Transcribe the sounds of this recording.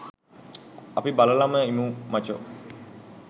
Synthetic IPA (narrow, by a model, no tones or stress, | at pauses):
apibaləlaməimumat͡ʃo̰